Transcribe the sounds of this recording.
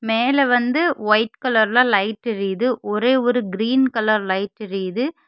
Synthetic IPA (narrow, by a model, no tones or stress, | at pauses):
meːlɛʋɐnd̪ɯʋɐɪʈkɐlɐɾlãːlɐɪʈːɪɾiðɯʔɔɾeːɔɾɯɡɪɾiːnkɐlɐɾlɐɪʈːɪɾiðɯ